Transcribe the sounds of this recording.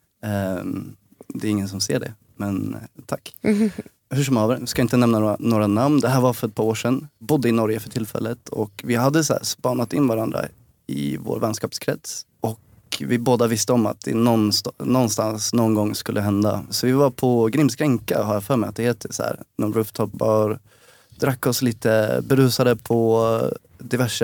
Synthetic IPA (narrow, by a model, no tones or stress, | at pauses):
d̪ɛɾɪŋːəns̬ɔmsḛːɖɛ̰ | mɛnt̪ʰakː | hʉʂ̬ɔmɑːvəɾɪskaɪnt̪ənɛmnanoːɾanamnd̪ɛɦæːɾvafœɾɛt̪̚pʰɑːɾoːʂɛnbʊd̪ːəɪnɔɾjəfœʈʰɪlfɛ̰lːət̪ʰɔ̰kvɪɦad̪ːəsæ̰ːɾspɑːnat̪ɪnːvaɾand̪ɾa̰ | ɪ̰vo̰ːɾvɛnskɑːpskʰɾɛt̪s | ɔk | vɪboːd̪avɪst̪əɔma̰t̪̚d̪ɛ̰nɔnst̪nɔnst̪ansnɔnɡɔŋːskɵlːəɦɛnd̪a̰sɔvɪvaɾpʰɔɡɾɪmskɾɛŋka̰ɦaɾjafœːɾmɛɪat̪̚d̪ɛheːt̪ʰəsæ̰ɾnɛɾʉft̪ʰɔpbɑɾ | d̪ɾakːɔsliːt̪əbɛɾʉ̟ːsad̪əpʰɔ | d̪ɪvæʂə